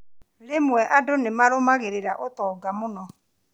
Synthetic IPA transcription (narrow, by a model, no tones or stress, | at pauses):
lemwɛʔadonemaɾomaɣeɾeɾaʔotɔːɡamʊnɔ